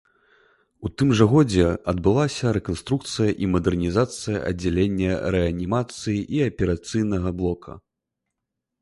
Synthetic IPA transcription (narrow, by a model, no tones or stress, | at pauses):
ut̪ɨmʐɐɣɔd͡zʲɛɐd̪̚bɨlˠasʲɐɾɛkɔnst̪ɾuk̚t̪sɨjɐʔimɐd̪ɛrnʲizat̪sɨjɐ̰ʔɐ̰d͡zʲːɛlʲenʲːɐɾɛɐnʲimat̪sɨjiʔiɐpʲɛɾat̪sɨjnɐɣɐblˠɔkʰɐ̰